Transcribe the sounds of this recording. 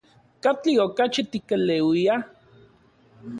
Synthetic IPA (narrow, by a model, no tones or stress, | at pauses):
kat͡ɬiokat͡ʃit̪ikelewia